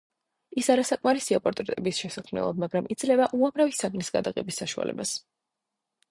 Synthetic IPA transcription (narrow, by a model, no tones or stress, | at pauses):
isaɾasakʼmaɾisiapʼɔɾt̪ʼɛɾt̪ʼɛbisʃɛsakʰmnɛ̰lˠa̰bmaɡɾamʔid̪zlɛbaʔuamɾavisaɡnisɡa̰d̪aɡɛbisːaʃua̰lɛ̰bas